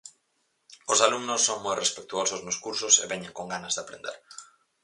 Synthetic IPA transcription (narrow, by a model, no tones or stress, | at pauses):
ʊsalumnʊsːoŋmojrʔespek̚t̪uosʊznoʊskuɾsʊsḛβɛɲeŋkoŋɡanɐzðɪapɾḛnd̪ḛɾ